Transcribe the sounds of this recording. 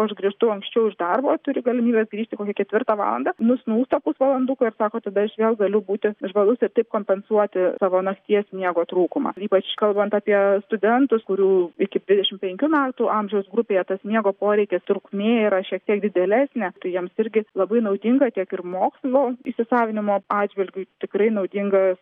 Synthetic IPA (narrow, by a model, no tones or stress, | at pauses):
ɐʃɡɾʲiʃt̪ɐʊɐŋksʲt͡ʃʲɛʊɪʒd̪ɐrboːt̪ʊɾʲɪɡɐlʲɪmʲiːbʲɛːsɡɾʲiːʃʲt̪ʲɪkoːkʲɛkʲɛt̪ʲʋʲɪrt̪ɑːʋɑ̰ːlˠɐ̰nd̪ɐːnʊsʲnuːst̪ɐpʊsʋɐlˠɐnd̪ukɐɪrsɑːkoːt̪ɐd̪ɐɐʃʋʲeːlˠɡɐlʲʊbuːt̪ʲɪʒʋɐlˠʊsʲɪɾt̪ɐɪp̚koːmʲpʲɛnsuɔt̪ʲɪsɑːʋoːnɐkt̪ʲiɛsʲmʲiɛɡoːt̪ɾuːkʊmɑ̰ːiːpɐt͡ʃkɐlˠbɐnt̪ɑpʲiɛst̪ʊd̪ʲɛnt̪ʊskʊɾʲuːɪkʲɪd̪ʲʋʲɪd̪ʲɛʃʲɪmpʲɛŋʲkʲuːmʲæːt̪ʊʔɐmʲʒʲɛʊsɡɾʊpʲeːjɛt̪ɐsʲnʲiɛɡoːpoːɾʲɛɪkʲɛst̪ɾʊkmʲeːiɾɐʃʲiɛk̚t̪ʲiɛk̚d̪ʲɪd̪ʲɛlʲæːsʲnʲɛːt̪ɐɪjiɛmsɪɾʲɡʲɪlˠɐbɐɪnɐʊd̪ʲɪŋɡɐt̪ʲiɛkɪrmoːkslʲˠoːiʃsʲɪsɑːʋʲɪnʲɪmoːɑːdd͡ʒʲʋʲɪlʲɡʲʊt̪ʲɪkɾɐɪnɐʊd̪ʲɪŋɡɐs